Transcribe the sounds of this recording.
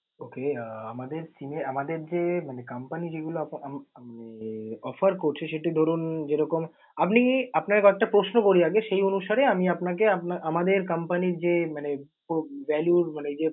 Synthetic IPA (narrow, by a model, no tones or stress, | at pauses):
okeaamad̪eɾt͡ɕineamad̪eɾd͡ʑemanekampanid͡ʑeɡuloapamaneɔfaɾkoɾt͡ɕʰeʃeʈid̪ʱoɾund͡ʑeɾɔkom | apniapnakekoɛk̚ʈapɾosnokoɾiaɡeʃejonuʃaɾeamiapnak̬eapnaamad̪eɾkɐmpaniɾd͡ʑemane | poʋɛljuɾmaned͡ʑe